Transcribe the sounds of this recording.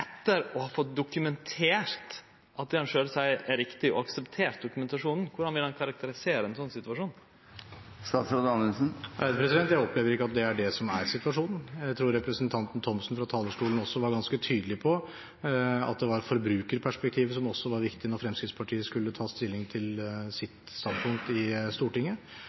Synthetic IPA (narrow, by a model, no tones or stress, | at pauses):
ɛt̪ːəɾɔhɑːfɔt̪̚d̪ʊkʉmɛnt̪ʰeːɾt̪ | ʔɑt̪̚d̪ɛɑnʂøːɾəsæɪɾɪkt̪ɪɔ̰ɑksɛpt̪ʰeːɾʈ̪̚d̪ʊkʉmɛnt̪ɑʂuːnn̩kʰʊɖɑnʋɪld̪ɛnkʰɑɾɑk̚t̪əɾɪseːɾəɛnsɔnːsɪt̪ʉʋɑʂuːn | st̪ɑːt̪sɾod̪ɑnəlsn̩d̪əpʰɾɛsɪd̪ɛnt̪jæɪɔpleːʋəɾɪkːəɑt̪̚d̪ɛæɖɛsɔmæɾsɪt̪ʉʋɑʂuːnn̩jæɪt̪ʰɾuːɾɾɛpɾəsənt̪ʰɑnt̪n̩t̪ʰɔmsnfɾɑt̪ʰɑːləʂʈuːlən̩ɔsːɔʋɑɾɡɑnskət̪ʰyːd̪əlɪpʰɔ | ɑ̰t̪̚d̪ɛʋɑɾfɔɾbɾʉːkəɾpʰæʂpɛk̚t̪ʰiːʋsɔmɔsːɔʋɑɾʋɪkt̪ɪnɔɾfɾɛmskɾɪt̪spʰɑʈʰiːəskʉlːət̪ʰɑːst̪ɪlːɪŋt̪ʰɪlsɪt̪st̪ɑnpʰʊŋk̚t̪ɪst̪uːʈɪŋːə